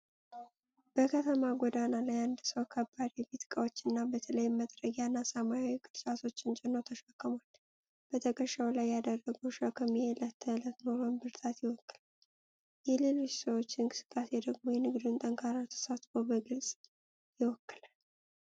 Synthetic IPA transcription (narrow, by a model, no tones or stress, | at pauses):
b̥əkʰət̪ʰəmaɡʷɔd̪analajand̪səwkʰəbːad̪jɛbet̪kʼəwot͡ʃːɨnːabət̪ʰələjməd̪ɾəɡjanːasamajawikʼɨd̪t͡ʃʼat̪ʰo̞t͡ʃːɪnt͡ʃʼɛnowt̪ʰəʃakːəmal | b̥ət̪ʰəkʼəʃawlajːad̪ərːəɡəwʃakʰːəmielət̪ʰːələt̪noməmbɨɾt̪ʰat̪jɪwɔkːɨlal | jɛle̞lo̞t͡ʃːsəwo̞t͡ʃːɪnkʼɨsɨ̥kʼːasjɛd̪əɡmojɛnɨɡd̪unt̪ʼəŋkʰaɾat̪ʰə̥sat̪fowbəɡɨlsʼ | jɪwɔkːɨlal